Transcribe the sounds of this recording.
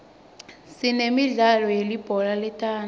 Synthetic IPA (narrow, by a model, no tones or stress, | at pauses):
sinemiɮalɔjelib̥ʱɔlalɛtʰʼaːn